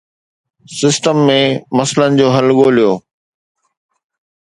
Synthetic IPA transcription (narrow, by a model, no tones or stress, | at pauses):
sɪsʈəmːẽmɐslənɪ̆d͡ʑoːɦɐlɠoːlijoː